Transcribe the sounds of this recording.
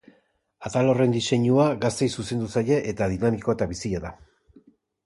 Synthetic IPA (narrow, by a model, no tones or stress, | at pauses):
at̪alo̞re̞nd̪ise̞ɲuaɣast̪e̞jsuse̞nd̪usaje̞ʔet̪aðinamiko̞e̞t̪aβisiaða